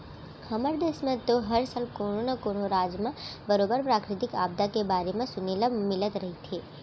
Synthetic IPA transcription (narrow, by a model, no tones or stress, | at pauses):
həməɾd̪eːsmẽt̪oɦəɾsaːlkoːnonakoːnoɾaːd͡ʒmãbəɾoːbəɾpɾaːkɾɪt̪ɪkaːb̚d̪akebaːɾemẽsʊneləmɪlət̪ɾɐɦit̪ʰeː